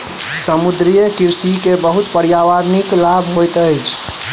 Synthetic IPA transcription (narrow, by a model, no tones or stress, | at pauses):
səmud̪ɾijəkiɾsikebəɦut̪pəɾjaʋaɾniklabʱɦojt̪əjt͡ʃʰ